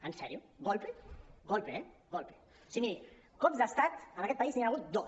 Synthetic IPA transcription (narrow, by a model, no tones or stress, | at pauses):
ansɛɾju | ɡolpeɡolpeɛɡolpe̥ | sini | kopzd̪ast̪at̪anakɛt̪paiznianaɣut̪̚d̪o